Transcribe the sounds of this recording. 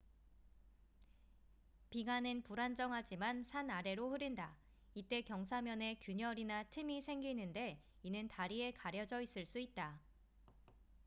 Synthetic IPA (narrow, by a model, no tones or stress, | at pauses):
piɡanɯnpuɾand͡ʑʌŋɦad͡ʑimansʰanaɾe̞ɾoɸɯɾinda | it͈e̞kjʌŋsʰamjʌne̞kjuɲʌɾinatʰɯmisʰe̞ŋɡinːɯnde̞ | inɯntaɾie̞kaɾjʌd͡ʑʌis͈ɯɭs͈uit̚t͈a